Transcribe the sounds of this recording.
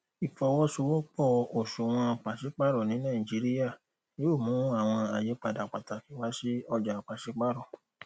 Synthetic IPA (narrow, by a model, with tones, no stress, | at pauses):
i˨fɔ˧wɔ˦so˧wɔ˦k͡pɔ˦˨˧o˨ʃo˨w̃ɔ̃˧˨k͡pa˨ʃi˨˦k͡pa˦ɾɔ˦˨nĩ˨˦nã˦˨i˨d͡ʒi˨˦ɾi˦ja˦˨ | jo˦o˦˨mũ˨˦a˦˨w̃ɔ̃˧a˨je˨˦k͡pa˦˨da˨k͡pa˨ta˨ki˨wa˨˦si˦ɔ˧d͡ʒa˨k͡pa˨si˨˦k͡pa˦ɾɔ˦˨